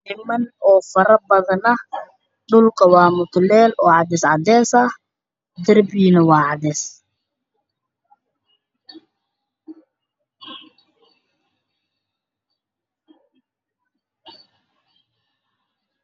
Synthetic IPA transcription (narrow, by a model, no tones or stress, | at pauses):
ɪmɐnɔːfɐɾɐbɐðɐnɐ | ɖʊlkʰɐwɑːmʊt̪lɛːlɔːʕɑd̪ɛsʕɑ̰d̪ɛːsɐh | d̪ɐrbiːnɐwɑːʕɑd̪ɛːs